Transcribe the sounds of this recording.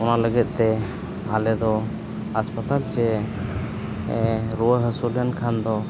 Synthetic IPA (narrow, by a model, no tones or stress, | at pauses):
ɔnaləɡɛt̪̚ˀt̪ɛ | alɛd̪ɔ | aspat̪alt͡ʃɛ | ɾuwəɦəsulənkʰand̪ɔ